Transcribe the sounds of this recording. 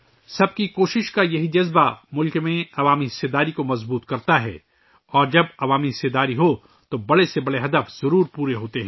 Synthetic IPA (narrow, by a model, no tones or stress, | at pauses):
sɐb̚kikoːʃɪʃkajɐɦid͡ʒɐzbamʊlkmẽɐʋaːmiɦɪsed̪aːɾikomɐzbuːt̪kɐɾt̪aɦɛ̰ː | ɔːɾd͡ʒɐbɐʋaːmiɦɪsed̪aːɾiɦo | t̪obɐɽesebɐɽeɦɐd̪əfz̥ɐɾuːɾpuːɾeɦoːt̪eɦɛ̃ː